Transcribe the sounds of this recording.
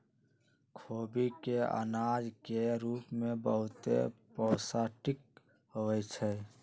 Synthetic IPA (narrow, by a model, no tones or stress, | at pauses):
kʰoːbikeə̰naːd͡ʒkeɾuːpmẽbəɦʊt̪ḛpəːsaʈɪk̚ | ɦoɛt͡ʃʰɛ